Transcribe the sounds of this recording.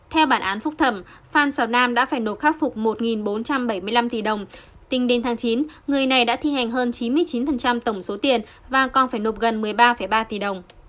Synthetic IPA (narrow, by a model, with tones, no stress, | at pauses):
t̪ʰɛ˧wɓaː˧˩nʔaː˨˦nfʊ˦˥k͡p̚t̪ʰə˧˩mfaː˧nsaː˧˩wnaː˧mɗa̰ː˧˥faː˧˩jno˨˩p̚xaː˦˥k̚fʊ˨˩k͡p̚mo˨˩t̚ŋi˨˩nɓo˨˦nt͡ɕa˧mɓə˧˩jmɨ˧əjla˧mt̪i˨˩ɗə˨˩wŋ͡m | t̪ï˨˧˦ŋ̟ɗe˨˦nt̪ʰaː˨˦ŋt͡ɕi˨˦nŋɨ˨˩əjna˨˩jɗa̰ː˧˥t̪ʰi˧hɛ˨˩jŋ̟ɦəː˧nt͡ɕi˨˦nmɨ˧əjt͡ɕi˨˦nfə˨˩nt͡ɕa˧mt̪ə˧˩wŋ͡mso˨˦t̪i˨˩ən | vaː˨˩kɔ˨˩nfaː˧˩jno˨˩p̚ɣə˨˩nmɨ˨˩əjɓaː˧fə˧˩jɓaː˧t̪i˨˩ɗə˨˩wŋ͡m